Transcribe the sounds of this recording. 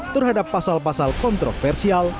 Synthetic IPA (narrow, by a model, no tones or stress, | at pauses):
t̪ərɦadapːasalpasalkɔnt̪ɾofɛrsial